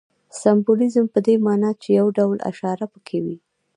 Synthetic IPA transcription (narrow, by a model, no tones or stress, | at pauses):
sambolizəmpəd̪emɑnɑt͡ʃejawɖawla̰ʃɑɾapəkʰewi